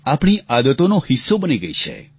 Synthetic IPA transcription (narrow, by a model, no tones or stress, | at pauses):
apɳ̃iʔad̪ət̪onohisːobəniɡəit͡ʃʰḛ